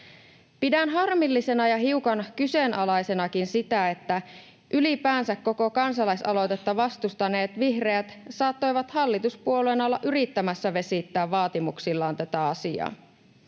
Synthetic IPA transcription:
pidænɦɑrmilːise̞nɑjɑɦiukɑnkyse̞nʔɑlɑjse̞nɑkinsit̪æe̞t̪ːæ | ʔylipæːnsækkːo̞ko̞kɑnsɑlɑjsɑlo̞t̪e̞t̪ːɑʋɑst̪ust̪ɑne̞ːt̪ʋihreæt̪sɑːt̪ːo̞jʋɑt̪hɑlːit̪uspuoluenɑlːɑ̰ʔyɾit̪ːæmæsːæʋe̞sit̪ːæːʋːɑːt̪imuksilːɑːnt̪æt̪æɑsiɑ̰ː

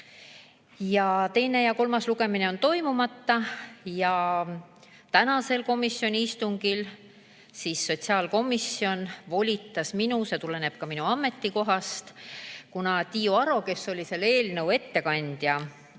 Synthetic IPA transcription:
jɑt̪e̞jne̞jɑko̞lmɑsluɡe̞mine̞o̞nt̪o̞jmumɑt̪ːɑjɑ | t̪ænɑse̞lko̞misːjo̞nʲiist̪uŋɡ̥il | siːsːo̞t̪ʲsiɑːlko̞misːio̞nvo̞lʲit̪ːˑɑsminuse̞t̪ule̞ne̞b̥kɑminuɑmːe̞t̪ːiko̞ɦɑst̪kunɑt̪ʲijuɑɾo̞ke̞sːo̞lʲise̞lːe̞ːlnɤwe̞t̪ːe̞kɑnʲd̪̥jɑ

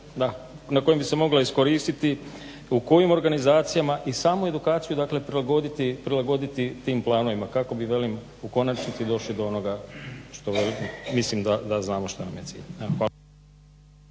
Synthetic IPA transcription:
d̪a | nako̞jembise̞mo̞ɡlaisko̞ɾiːst̪it̪i | uko̞jimo̞ɾɡanizaːt̪sijamaʔisaːmue̞d̪ukaːt̪sijud̪akle̞pɾilˠaɡo̞d̪it̪ipɾilaɡo̞d̪it̪it̪iːmplˠaːno̞ʋimakako̞biʋe̞lim | uko̞nat͡ʃnit̪sid̪o̞ʃlid̪o̞o̞no̞ɡaʃt̪o̞ʋelimislimd̪ad̪aznaːmoʃt̪onamjetsḭːʎxa

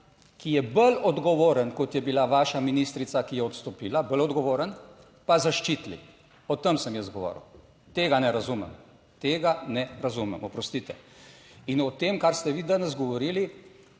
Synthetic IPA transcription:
kijɛbəlɔd̪ɡɔʋoːɾənkɔt̪jɛbilaʋaːʃaminist̪ɾit̪sakijɛɔt̪st̪ɔpiːlabəlɔd̪ɡɔʋoːɾən | pazaʃt͡ʃit̪lḭ | ɔt̪əmsəmjɛzd̪ɡɔʋɔ̰ːɾə̰w | t̪eːɡanɛɾazumɛ̰m | t̪eːɡanɛɾazumɛmɔpɾɔst̪it̪ɛ̰ | inɔt̪eːmkaɾst̪ɛʋiːd̪anɛz̬ɡɔʋɔɾiːli

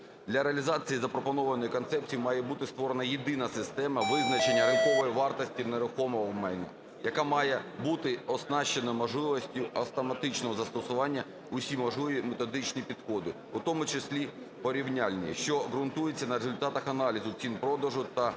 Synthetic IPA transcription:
d̪lʲɐɾeɐlʲizɑt͡sʲijizɐpɾɔpɔnɔʋɐnɔjikɔnt̪sɛp̚t͡sʲijimɑjɛbut̪ɪst̪ʋɔɾenɐjed̪ɪnɐsɪst̪ɛmɐʋɪznɐt͡ʃe̞nʲːɐɾɪnkɔʋɔjiʋɑrt̪ɔsʲtʲineɾʊxɔmɔɦɔwmɛjnɐ̰ | jɐkamɑjɛbut̪ɪɔsnɑʃt͡ʃenɐmɔʒlˠɪʋɔsʲtʲʊɐft̪ɔmɐt̪ɪt͡ʃnɔɦɔzɐst̪ɔsʊʋɑnʲːɐ | ʊsʲimɔʒˠujimet̪ɔd̪ɪt͡ʃnʲipʲid̪xɔd̪ɪ | ʊt̪ɔmʊt͡ʃesʲlʲi | pɔɾʲiwnʲalʲnʲḭʃt͡ʃɔɣɾʊnt̪ujet͡sʲːɐnɐɾezʊlʲt̪ɑt̪ɐxɐnɑlʲizʊt͡sʲinpɾɔd̪ɐʒʊt̪ɐ

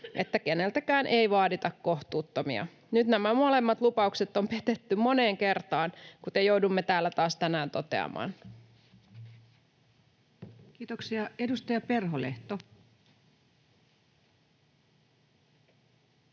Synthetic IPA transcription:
ʔe̞t̪ːæke̞ne̞lt̪ækæːnʔe̞ijʋɑːdit̪ɑkːo̞ht̪uːt̪ːomḭɑ̰ | nyt̪næmæmo̞le̞mːɑt̪lupɑukset̪ːompet̪et̪ːymmo̞ne̞ːŋke̞rt̪ɑːnkut̪ejo̞wdumːet̪æːlːæt̪ɑːst̪ænæːnt̪o̞t̪e̞̰ɑ̰mɑ̰ːn | kiːt̪oksiɑedust̪ɑjɑperɦoleht̪o

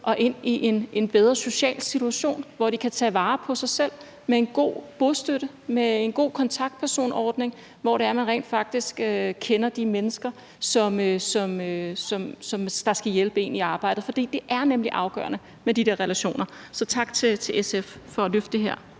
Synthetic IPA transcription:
ʔɒ̽ʔe̝n̰iʔe̝nʔe̝nb̥eð̞ˠʁɐso̝ɕɛ̰ːlsit͡sʰuæɕo̝̰ːnʋɒd̥ikʰæt͡sʰɛ̰ːʋɑ̈ːpʰɒ̽sɑ̈ɪsel̰ | mee̝nɡ̥o̝̰ːb̥osd̥øɾ̥ə | meenɡ̥o̝̰ːkʰɒ̽nt͡sʰɑ̈ɡ̥̚d̥̚pʰæɐso̝̰ːnɒːd̥ne̝ŋ | ʋɒɾeɐmænʁɛ̰ːnd̥fɑ̈ɡ̥̚d̥isɡ̥økʰenɐd̥imenəsɡ̥ɐ | sɒ̽møsɒ̽møsɒ̽msɒ̽md̥ɑ̈sɡ̥æjelb̥əe̝̰niɑ̈ːb̥ɑ̈ɪ̰d̥ð̩ˠfɒ̽d̥ḭːd̥e̝ʔæɐnemliʔɑ̈ʊɡ̥ɶ̰ɐnə | med̥id̥e̝ɐʁɛlæɕo̝̰ːnɐ | sɒ̽t͡sʰɑ̈ɡ̥̚t͡sʰe̝t͡sʰe̝lʔeseffɒ̽løfd̥eɦeɐ̰

